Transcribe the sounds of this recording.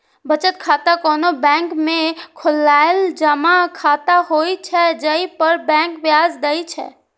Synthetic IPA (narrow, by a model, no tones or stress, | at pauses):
bət͡ʃət̪̚kʰat̪akoːnobɛ̃ŋkmẽkʰʊlːaeld͡ʒəmakʰaːt̪aɦoit͡ʃʰɛd͡ʒəipəɾbɛ̃ŋkbjad͡ʒd̪əit͡ʃʰɛ̰